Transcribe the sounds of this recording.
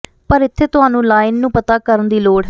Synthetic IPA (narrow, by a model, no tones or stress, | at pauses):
pəɾɪt̪ʰːeːt̪ʊɦaːnũːlaːɪnːũːpət̪aːkəɾənd̪iːloːɽɦ